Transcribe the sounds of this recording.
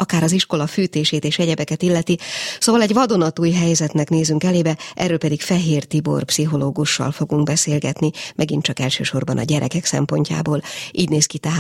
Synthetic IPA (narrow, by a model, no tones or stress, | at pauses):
ɒkaːɾɒziʃko̞lɒfyːt̪eːʃeːt̪eːʃɛɟɛbɛkɛt̪ilːɛt̪isoːvɒlɛɟʋɒd̪o̞nɒt̪uːjɦɛjzɛt̪nɛkneːzyŋkɛleːbɛʔɛ̰rːøːlpɛd̪ikfɛɦeːrt̪ibo̰rpsiɦo̞loːɡuʃːɒ̰lfo̞ɡuŋɡ̚bɛseːlɡɛ̰t̪nimʔɛɡint͡ʃɒkɛlʃø̰ːʃo̞rbɒnɒ̰ɟɛɾʔɛ̰kɛksɛ̰mpo̞ɲca̰ːboːlʔiːɟneːskit̪ɛɦaː